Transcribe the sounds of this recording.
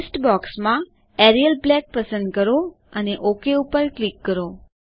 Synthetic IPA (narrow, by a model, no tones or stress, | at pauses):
sʈbɔksmã | ɛɾijəlblɛk̚pəsə̃nd̪kəɾo | əneʔokeupəɾklikːəɾo